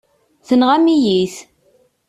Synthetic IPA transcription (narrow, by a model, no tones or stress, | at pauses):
θənʁæmijiθ